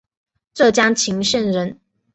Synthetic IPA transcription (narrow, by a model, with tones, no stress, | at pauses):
ʈ͡ʂɤ˥˨˩t͡ɕja˥ŋt͡ɕʰi˧˥ŋʂə˥˧nɻə˧˥n